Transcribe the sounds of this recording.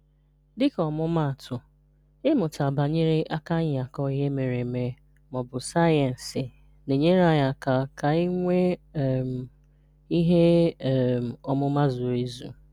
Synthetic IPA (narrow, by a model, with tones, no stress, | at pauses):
dɪ˦kɔ˨mʊ˦ma˦˨tʊ˨ | ɪ˦mʊ˨ta˨ba˨ɲi˦ɾi˦ʔa˦ka˦ɲ˨a˨kɔ˦i˦ɦe˦me˨ɾe˨me˨ | mɔ˨bʊ˨sa˦ɛ˨n̩˨sɪ˨ | ne˨ɲe˦ɾa˨ja˨ka˨ka˨i˦ŋʷe˦˨m˨ | i˦ɦe˦˨ | ɔ˨mʊ˦ma˦zʊ˨e˦zṵ˨